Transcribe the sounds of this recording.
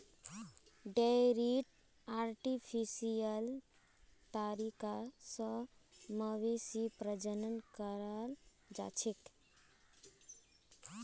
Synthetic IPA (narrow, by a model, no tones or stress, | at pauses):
ɖɛɾiʈ | aɾʈipʰisijəl | t̪aɾikasə̃məʋesipɾəd͡ʒənənkəɾal | d͡ʒa̰t͡ʃʰek̪